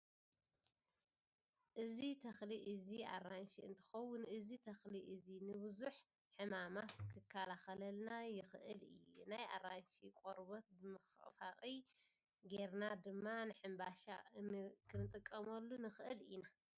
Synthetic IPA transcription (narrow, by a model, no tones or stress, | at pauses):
ʔɨzit̪ʰɐxliʔɨzia̰ranʃiɨ̰nt̪ʰɨ̥xɐwʊnʔɨzit̪ʰɐxliʔɨzinɨbɨzuħ | ħɨmamat̪kʰɨkʰːalaxɐlɐlnajɪxɨʔɨlɨ̰jːunaja̰ranʃikʼoɾbot̪̚bɨmɐxʔfaχʼi | ɡe̞ɾnad̪ɨmːanɨħɨmbaʃa̰kʰɨnɨt̪ʼɨkʼːɐmɐlːunɨxʔɨlina